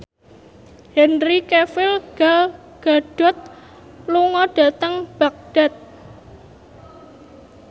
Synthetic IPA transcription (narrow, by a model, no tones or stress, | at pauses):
hɛnrikefɪlɡ̥al | ɡ̥a̤ɖ̥ɔ̤t̪̚ | luŋɔɖ̥a̤t̪əŋb̥äk̚ɖ̥a̤t̪̚